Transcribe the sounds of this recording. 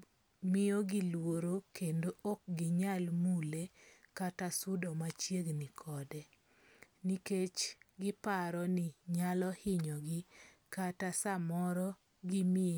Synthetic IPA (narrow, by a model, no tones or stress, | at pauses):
mɪɔɡɪlwoɾokendoʔok̚ɡɪɲalmulekatasʊdɔmat͡ʃjeɡnɪkʰɔdɛ | niket͡ʃɡɪpaɾɔnɪɲalɔhɪɲɔɡɪ | katasamɔɾɔ | ɡɪmɪe